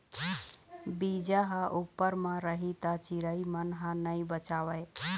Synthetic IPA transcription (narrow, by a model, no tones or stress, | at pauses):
bid͡ʒaɦə̃ʔupːəɾmə̃ɾəɦit̪at͡ʃiɾəimənɦə̃nəjbət͡ʃawəj